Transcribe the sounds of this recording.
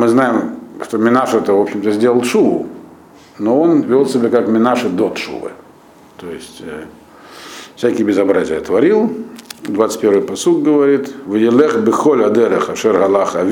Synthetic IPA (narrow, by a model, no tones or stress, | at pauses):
mɨznajɪmʂt̪omʲɪnaʂɛt̪əvo̞pɕɪmt̪əzʲdʲelˠəlˠt̪ʂuvʊ̰ | noo̞nvʲolˠsʲɪbʲekakmʲɪnaʂɨd̪ot̪ʂṵvɨ̰ | t̪oɪsʲtʲ | fsʲækʲɪjbʲɪzɐbɾazʲɪjət̪vɐɾʲilˠd̪vat̪sə̥t̚ʲpʲevɨjpɐsuk̚ɡəvɐɾʲit̪vɨjɪlˠɛxbɨxolʲɐd̪ɛɾəxɐʂɛrɦɐlˠaxɐvʲ